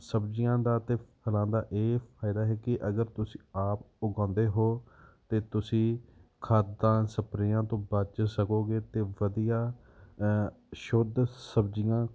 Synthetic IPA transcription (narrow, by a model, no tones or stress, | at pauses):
səbd͡ʒɪjãːd̪aːt̪eːpʰəlãːd̪aːʔeːpʰaːɪd̪aːɦɛːkɪʔəɡəɾt̪ʊsĩːaːp | ʊɡãːnd̪eːɦoːt̪eːt̪ʊsĩːkʰaːd̪ãːsəpɾɪjãːt̪õːbəd͡ʒsəkoːɡeːt̪eːʋəd̪ijaː | ʃʊd̪səbd͡ʒɪjãː